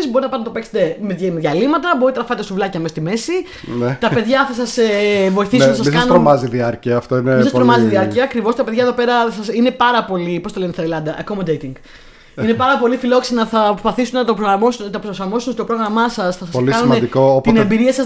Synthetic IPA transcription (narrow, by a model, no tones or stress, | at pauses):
izbo̞ɾinɐpɐnɐt̪opekst̪ememeðʝɐlimɐt̪ɐboit̪enɐfɐt̪est̪ovlɐcɐmest̪ime̞si | net̪ɐpe̞ðʝɐθɐsɐsevo̞iθisunɐsɐsskɐnsnuɾomɐziðiɐɾciɐːft̪oineisɐsɾomɐziðiɐɾciɐːkɾivo̞st̪ɐpe̞ðʝɐeðo̞pe̞ɾɐsɐsine̞pɐɾɐpo̞lipost̪olenest̪ɐɾelɐnd̪ɐʔɐkomod̪ejt̪iŋɡ̥ | ine̞pɐɾɐpo̞lifilo̞ksinɐθɐpɾspɐθisunɐt̪opɾoɣɾɐmosnt̪ɐpɾoosɐmo̞sunot̪topɾo̞ɣɾɐmɐsɐsθɐsɐsoliɐnumɐned̪ikoot̪inembiɾiɐsɐs